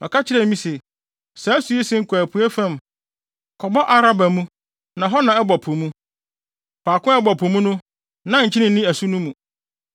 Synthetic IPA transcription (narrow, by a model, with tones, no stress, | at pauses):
mɛ̃˨kʰa˦t͡ɕʰɪ˦ɾɛ˨˦mĩ˦se˨ | sɛ˨˦æ˦su˨e˦sɪ˦ŋ̩˨kʰʷæ˨pʰu˨˦ɛ˦fɛ̃˦˨m | kʰɔ˨bɔ˦ʔa˦ɾa˦ba˨mũ˦ | nã˨ɦɔ˦nã˨ɛ˦bɔ˨pʰʊ̃˨mũ˦ | pʰaː˨kʊ̃˦ɛ˦bɔ˨pʰʊ̃˨mũ˦nʊ̃˦ | nã˦ɲ̩˨t͡ɕʰɪ˦nɪ̃˨n˦nĩ˦æ˨su˦nũ˦mũ˨